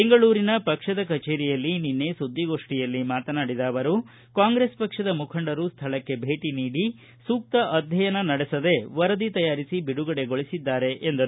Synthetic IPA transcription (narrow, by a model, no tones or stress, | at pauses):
beŋɡɐɭuːɾinɐpɐkʂɐd̪ɐkɐt͡ʃeːɾijɐlːininːe̞sud̪ːiɡo̞ːʂʈijɐlːimaːt̪ɐnaːɽid̪aːʋɐɾu | kaːŋɡɾe̞ːspɐkʂɐd̪ɐmukʰɐɳɖɐɾust̪ʰɐɭɐkːe̞bʱe̞ːʈiniːɽi | suːk̚t̪ɐʔɐd̪ʱjɐjɐnɐnɐɽesɐd̪e̞ʋɐɾɐd̪it̪ɐjaːɾisibiɽuɡɐɽe̞ɡo̞ɭisid̪ːaːɾe̞ʔend̪ɐɾu